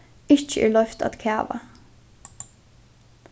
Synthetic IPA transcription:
ɪçt͡ʃəʔɛ̰ɹlœft̪a̰t̪kʰæːʋa̰

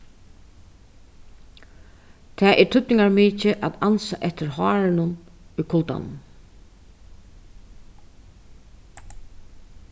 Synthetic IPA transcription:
t̪ʰɛːʔɛt̪ʰʏt̪nɪŋaɹmiːcɪʔa̰t̪ansaʔɛht̪ɪɾhɑːɾɪnʊnʊjkʰʊlt̪a̰n̰n

